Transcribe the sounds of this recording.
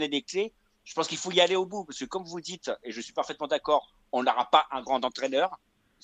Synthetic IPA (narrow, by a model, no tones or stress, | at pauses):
ned̪ekle | ʒ̥ə̥pɑ̃skilfoialeobupaʁskəkɔmvud̪it̪eʒəsɥipaʁfɛt̪mɑ̃d̪akɔːʁ | ɔ̃nəʁapaʔɛ̃ɡʁɑ̃t̪ɑ̃t̪χɛnœʁ